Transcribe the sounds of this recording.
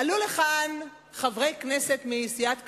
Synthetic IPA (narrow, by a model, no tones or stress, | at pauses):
aluleχan | χavʁejknese̞t̪miːsijat̪